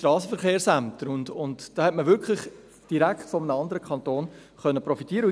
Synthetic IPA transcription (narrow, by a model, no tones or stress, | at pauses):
ʃtɾɑːsəfəɾχeːɾsæmtəɾʊndʊntd̥ɑːhɛtməvʏɾkχlɪχ | d̥iɾæktfɔmənəɑndəɾəkʰχɑnt̪oːn | χœnːəpɾɔfitiːəɾə